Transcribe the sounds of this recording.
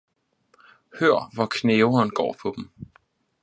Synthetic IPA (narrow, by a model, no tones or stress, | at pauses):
høɐ̰ʋɒkʰneːʊɐnɡ̥ɒ̰ːpʰɒ̽d̥m̩